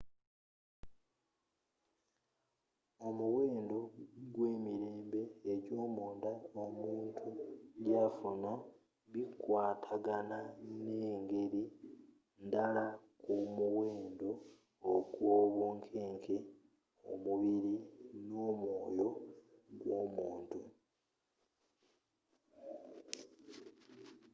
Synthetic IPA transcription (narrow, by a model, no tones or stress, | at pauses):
o̞muweːndo̞ɡweːmiɾeːmbe̞ːɟo̞ːmuːndaomuːntʰuɟafuna | βikwaːtʰaɡanane̞ːŋɡe̞ɾi | ndalakumuweːndo̞ː | kwoːβuːŋkʰeːŋkʰe | o̰muβiɾino̞ːmwo̞ːjo̞ɡwo̞ːmuːntu